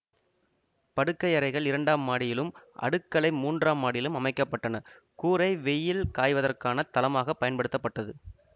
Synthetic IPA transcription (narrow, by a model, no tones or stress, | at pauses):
pɐɽɯkːɐɪɐɾɐɪɣɐɭɪɾɐɳɖaːmaːɽɪjɪlɯmʔɐ̰ɽɯkːɐɭɐɪmuːndraːmːaːɽɪjɪlɯmɐmɐɪkːɐpːɐʈːɐnɐ | kuːɾɐɪʋɛjːɪlkaːjʋɐðɐrkaːnɐt̪ːɐlɐmaːɣɐpːɐjɐnpɐɽɯt̪ːɐpːɐʈːɐðɯ